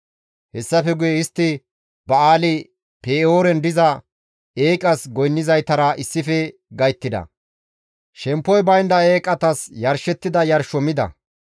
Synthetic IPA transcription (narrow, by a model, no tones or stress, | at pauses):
hɛsːɐfɛɡʊjɛɪst̪ːɪ | bɐaːlɪ | pʰeːoːɾɛnd̪ɪzɐ | eːkʼɐsɡɔjnːɪzɐjt̪ɐɾɐɪsːɪfɛɡɐjt̪ːɪd̪ɐ̰ | ʃɛmpːɔjbɐjnd̪ɐeːkʼɐt̪ɐsjɐɾʃɛt̪ːɪd̪ɐjɐɾʃɔmɪd̪ɐ̰